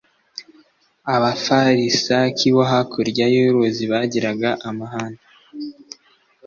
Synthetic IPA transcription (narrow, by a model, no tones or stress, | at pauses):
aβafaɾisakʰiβoɦakʰuɾɟajuɾoziβaɟiɾaɡaʔamaɦana